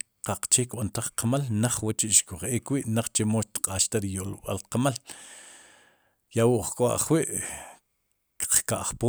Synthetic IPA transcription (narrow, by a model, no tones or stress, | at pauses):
qaq͡χt͡ʃekɓant̪aχqamalnaχwat͡ʃiʔʃkuχʔeːkwiʔnaχt͡ʃemoʃt̪qʼaːʃt̪aɾijolɓa̰lqamal | jawuʔχkʼoa̰ʔχwiʔ | kq͡χkaʔχpoː